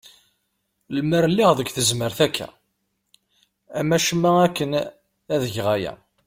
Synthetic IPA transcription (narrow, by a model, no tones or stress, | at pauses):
lməɾlːiʁðəɡʷθəzməɾθækːæ̰ | æmæʃmːæækːən | æðəʝʁæjæ̰